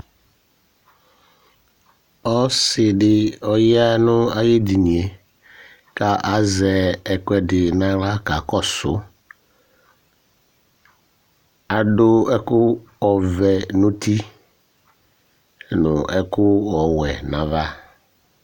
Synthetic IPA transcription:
ɔ˦sɪ˨dɪ˨ɔ˨ja˦nʊ˦a˦je˦di˨ni˨e˨ | ka˨ʔa˨˦zɛ˨ɛ˨kʷɛ˦dɪ˨na˦ɾa˦ka˨kɔ˦sʊ˨ | a˨dʊ˦ɛ˦kʊ˦ | ɔ˨vɛ˨nu˦ti˦ | nʊ˨ɛ˦kʊ˦ɔ˨wɛ˨na˨va˦

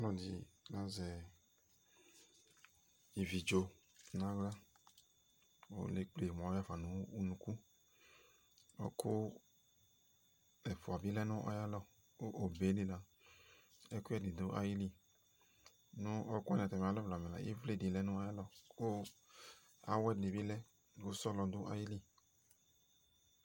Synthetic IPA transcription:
lɔ̃˨di˨la˨˦zɛ˨ | i˨vi˨d͡ʒo˨ | nã˦ɡla˦ | wo̰˦le˦k͡ple˨m˨ɔ̃˨˦a˦fa˨nũ˨˦u˦nũ˨ku˦ | o̰˦kʰo˦ | lɛ˨fo˨a˨bi˦lɛ˦nʊ̃˦ʔɔ̰˦ja˦lɔ˦ | o˦ʔo˨be˨˦li˦la˨ | ɛ˦ku˦ɛ˦˨di˨do˦ʔa̰˦ji˦li˦ | nʊ̃˦ɔ˦ku˦a˦n˨ta˨m˨a˨˦lɔ˦vla˨mɛ̃˨la̰˨jḛ˦vle˦di˨lɛ˦nʊ̃˦a˦ja˦lɔ˦˨o˦ | a̰˨˦wɛ˦de˨bi˦lɛ˦ | o˦sɔ˦lɔ˧d̪ʊ˦ʔa̰˦ji˦li˦˨

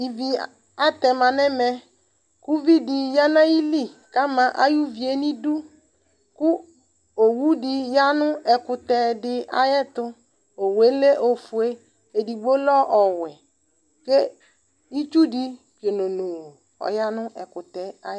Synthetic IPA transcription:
i˨vi˨ | a˦t̪ɛ˨mã˨nɛ̃˦mɛ̃˦ | ku˦vi˦di˨ja˦nã˦ji˦li˦˨ka˦mã˨ʔa˦ju˦vi˨e˦nĩ˦du˦ | kʊ˦ | o˨wu˦dɪ˨ja˦nʊ̃˦ʔɛ˨kʊ˨t̪ɛ˨dɪ˦a̰˦jɛ˦t̪ʊ˦ | o˨we˦le˦ʔo˨fu˨e˦ | e˨di˨ɡ͡bo˦lɔ˦ʔɔ˨wɛ˨ | ke˦ | i˦t͡ʃu˦di˦ | ke˨no˨no˨ | ɔ̰˨ja˦nʊ̃˦ʔɛ˨kʊ˨t̪ɛ˨a˦

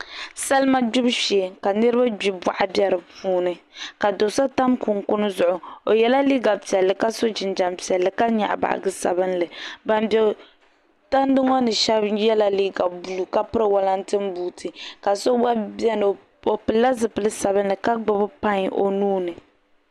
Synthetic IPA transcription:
sa˦lma˦d͡ʒʊ˦bʃe˨ka˨nɨ˦ɾɨ˦ba˦d͡ʒi˨bwa̰˨ʔa˦bjɛ˨ɾɨ˨puː˦nɨ˨ka˨do˨sa˦ta˦mku˨ŋkʊ˦nɨ˦zʊ˨ʔʊ˨o˨jɛ˨la˦li˦ɡa˨pi˨ɛ˨lːɨ˨ka˦so˦d͡ʒɪ˨nd͡ʒa˨mpi˨ɛ˨lːɨ˨ka˦ɲa̰˨ʔba̰˨ʔa̰˨ɡɨ˦sa̰˨bɨ˦nlɨ˨ba˨mbɛ˨ | ta˦n˦dɨ˦ŋɔ˦nɨ˨ʃɛ˦bjɛ˦la˦li˦ɡa˨bu˨lu˨ka˦pɨ˦ɾɨ˦wa˦la˦n˦tɨ˦mbuː˦tʰɨ˨ka˨so˦ba˦bɛ˦n˨ | o˨pɨ˨lːa˦zɨ˨pɨ˨lɨ˦sa˨bɨ˦nlɨ˨ka˦ɡ͡bʊ˦bɨ˦pa˦ɲ˦ʔo̰˨nuː˦nɨ˨

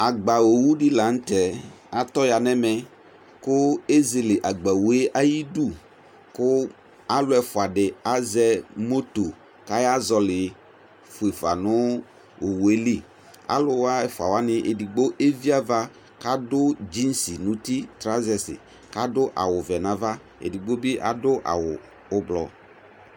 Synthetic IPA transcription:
a˨ɡ͡ba˨wo˨wu˦ɖɪ˦la˨˦ŋ̩˦t̪ɛ˨ | a˨t̪ɔ˦ja˨nɛ̃˦mɛ̃˨ | kʊ˦e˦ze˨lɪ˨ʔa˨ɡ͡bɛ˨wu˦e˦ʔa˦ji˦du˦ | kʊ˦ | a˦lʊ˦ɛ˨fʊ˨a˨ɖɪ˨a˦zɛ˦mo˦t̪o˨ | ka˦ja˦zɔ˨lɪ˨ | fʊ˨e˨fa̰˨nʊ̃˦ | o˨we˦li˦ | a̰˦lʊ˦wa˦ɛ˨fʊ˨a˨wa˦nɪ̃˦ʔe˨di˨ɡ͡bo˦ʔe˦vi˦a˦va˦ | ka˦dʊ˦d͡ʒi˦n˦si˨nʊ̃˦t̪i˦t̪ɾa˦zɛ˨sɪ̰˨ | ka˦dʊ˦ʔa̰˨wʊ˨vɛ˨nã˨˦va˦ | ḛ˨di˨ɡ͡bo˦be˦ʔa̰˨dʊ˦ʔa̰˨wʊ˨ | ʊ˦blɔ̰˨

